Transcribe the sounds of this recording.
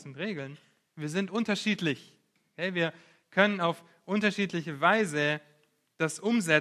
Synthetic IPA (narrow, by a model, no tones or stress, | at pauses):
sʊntʁeːɡl̩n | viːɐzɪntʔʊntɐʃiːtlɪç | kʰɛviːɐ | kʰœnənaʊf | ʔʊntɐʃiːtlɪçəvaɪzə | d̥asʔʊmzɛ